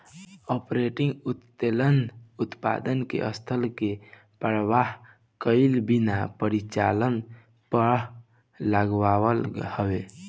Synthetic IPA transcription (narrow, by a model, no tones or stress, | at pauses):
ɔpɾeʈĩŋɡut̪t̪elənut̪pa̰d̪ənkḛʔəst̪ʰəlke | pɾʋaɦ | kəɪlbinapəɾit͡ʃa̰lən | pəɾ | ləɡʋawəlhəʋe